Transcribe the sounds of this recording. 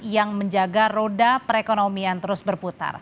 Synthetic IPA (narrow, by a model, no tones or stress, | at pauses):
jaŋməɲd͡ʒaɡarodapəɾekonomiant̪əɾʊsbərput̪a̰r